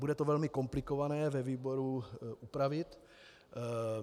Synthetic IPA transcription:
budɛt̪ovɛlmɪko̞mplɪkovanɛːvɛviːboɾuʔupɾavɪt̪

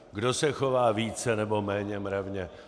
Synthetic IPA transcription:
ɡdosɛxovaːviːt͡sɛnɛbo̞mɛːɲɛmɾavɲɛ

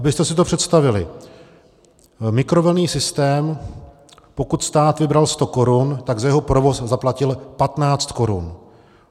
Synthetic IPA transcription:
ʔabɪst̪ɛsɪt̪opr̝̥ɛt̪st̪avɪlɪ | mɪkɾo̞vlniːsɪst̪ɛːm | po̞kut̪st̪aːt̪vɪbɾalst̪o̞ko̞ɾunt̪aɡzajɛɦopɾovo̞szaplacɪlpat̪naːt͡st̪ko̞ɾṵn

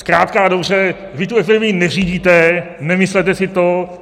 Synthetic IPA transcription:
skɾaːt̪̚kadobrɛ | vɪt̪uɛfɪɾmɪnɛriːɟiːt̪ɛ | nɛmɪslɛt̪ɛsɪt̪o

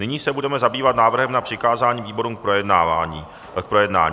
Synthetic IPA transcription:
nɪɲiːsɛbudɛmɛzabiːvat̪naːvr̩ɦɛmnapr̥ɪkaːzaːɲiːviːbo̞ɾuːmk̚pɾojɛdnaːvaɲiː | k̚pɾojɛdna̰ːɲiː

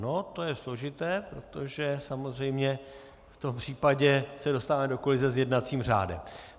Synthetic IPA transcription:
no̞t̪o̞jɛslo̞ʒɪt̪ɛːpɾo̞t̪o̞ʒɛsamozr̝ɛjmɲɛ | ft̪o̞mpr̝̥iːpaɟɛsɛdo̞st̪avamɛdo̞kolɪzɛzjɛdnat͡siːmr̝a̰ːdɛ̰m

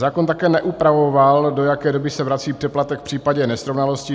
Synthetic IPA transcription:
zaːkont̪akɛːnɛʔupɾavo̞valdo̞jakɛːdo̞bɪsɛvɾat͡siːpr̥ɛplat̪ɛkfpr̝̥iːpaɟɛnɛsɾovnalo̞scɪ

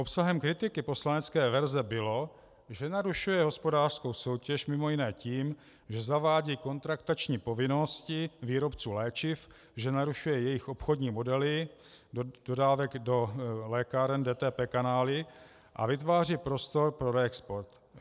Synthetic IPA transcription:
ʔopsaɦɛmkɾɪt̪ɪkɪpo̞slanɛt͡skɛːvɛɾzɛbɪlo̞ | ʒɛnaɾuʃujɛɦo̞spo̞daːr̥sko̞wso̞wcɛʃmɪmo̞jɪnɛːciːm | ʒɛzavaːɟiːko̞nt̪ɾakt̪at͡ʃɲiːpo̞vɪno̞scɪviːɾo̞pt͡suːlɛːt͡ʃɪf | ʒɛnaɾuʃujɛjɛjɪxʔopxodɲiːmo̞dɛlɪ | d̥odaːvɛɡdo̞lɛːkaɾɛndɛːt̪ɛːpɛːkanaːlɪ | ʔa̰vɪt̪vaːriːpɾo̞st̪o̞ɾpɾo̞ɾɛːkspoɾt̪

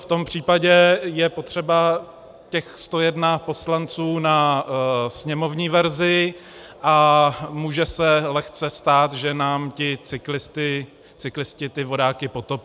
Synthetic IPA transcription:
ft̪o̞mpr̝̥iːpaɟɛjɛpo̞t̪r̝̥ɛba | cɛxst̪o̞jɛdnapo̞slant͡suːna | sɲɛmo̞vɲiːvɛɾzɪ | ʔamuːʒɛsɛlɛxt͡sɛst̪aːt̪ʒɛnaːmcɪt͡sɪklɪst̪ɪ | t͡sɪklɪscɪt̪ɪvo̞daːkɪpo̞t̪opː

